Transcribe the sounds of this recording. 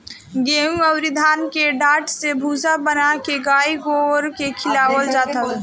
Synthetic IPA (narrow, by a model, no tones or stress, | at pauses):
ɡeũəwɾid̪ʱaːnkeɖaːʈsebʱuːsabənakeɡaːiɡoɾkekʰɪlaːwəld͡ʒaːt̪əl